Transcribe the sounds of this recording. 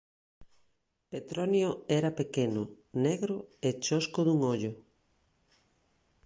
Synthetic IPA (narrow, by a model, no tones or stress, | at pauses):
et̪ɾonjoɛɾapekenʊ | neɣɾʊet͡ʃoskʊðuŋoʎʊ